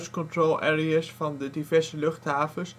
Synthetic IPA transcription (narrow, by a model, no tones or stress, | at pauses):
skɔntrolʔɛːriasfɑndədivɛɹzəlɵχtɦaːvəs